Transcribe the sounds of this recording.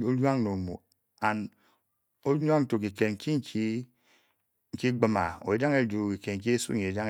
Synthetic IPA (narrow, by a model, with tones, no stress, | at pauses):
o˦lwa˦ŋno˨mo̰˨ | a˨n | o˦ɲ˦a˦n̩˦to˨k̬i˨ke˨ŋ̩˨ki˦ŋ̩˦ki˦ | ŋ̩˨ki˦ɡ͡bɨ˦ma˨o̰˨e˨˦da˦ŋe˦˨du˨ki˨ke˨ŋ̩˨k̬i˦e˦sṵ˦ɲe˨e˨da˦ŋ